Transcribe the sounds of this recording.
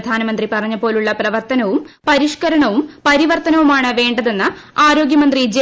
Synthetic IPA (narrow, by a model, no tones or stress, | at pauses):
d̪ʱaːnɐmɐnd̪ripɐrɐɲːɐpːo̞ːluɭːɐprɐʋɐrt̪ɐnɐʋum | pɐɾiʂkɐɾɐɳɐʋumpɐɾiʋɐrt̪ɐnɐʋumaːɳɨʋe̞ːɳɖɐðe̞nːɨaːɾo̞ːɡjɐmɐnd̪rid͡ʑe